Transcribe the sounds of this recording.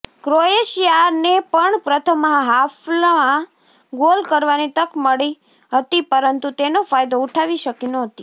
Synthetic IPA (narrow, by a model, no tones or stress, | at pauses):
kɾoeʃijanepəɳpɾət̪ʰəmãɦaflaã | ɡolkəɾʋanit̪əkməɭi | ɦət̪ipəɾənt̪ut̪enofajd̪ouʈʰaʋiʃəkinoɦət̪i